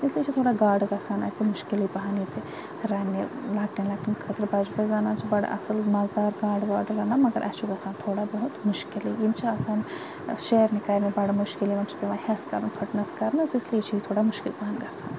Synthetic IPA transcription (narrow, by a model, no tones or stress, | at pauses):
islijet͡ʃʰit̪ʰoːɽaɡaːɖɡɐsʰaːnɐ̰simʊʃkilibɐɦanit̪ʰi | ɾɐnːilaːkʈinlaːʈinkʰɐt̪ɾbɐd͡ʒbɐzanaːt͡ʃʰibɐɽ̰ʔɐ̰sɐlmazd̪aːɾɡaːɖʋaːɾɖɾɐnaːmɐɡɐɾʔɐ̰ːt͡ʃʰuɡɐsaːnt̪ʰoːɽabɐɦut̪mʊʃkilijimt͡ʃʰiaːsaːn | ʃeɾnikɐɾnibɐɽmʊʃkilimɐnt͡ʃʰi̥piʋahɛskɐɾnpʰɐʈnɐskɐɾnɐsislijet͡ʃʰijit̪ʰoːɽamʊʃkɪlbaɦanɡɐt͡sʰaːn